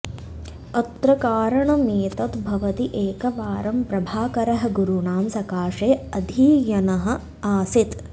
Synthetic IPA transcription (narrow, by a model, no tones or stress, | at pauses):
ɐt̪ɾɐkaːɾɐɳɐmeːt̪ɐt̪bʱɐʋɐt̪iʔeːkɐʋaːɾɐmpɾɐbʱaːkɐɾɐɦɐ̆ɡuɾuɳaːmsɐkaːʂeːɐd̪ʱiːjɐnɐɦɐ̆ | aːsit̪